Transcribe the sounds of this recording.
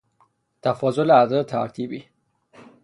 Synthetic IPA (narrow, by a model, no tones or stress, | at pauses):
t̪ʰæfɒːzoleæzeɾet̪ʰæɾt̪ʰiːbiː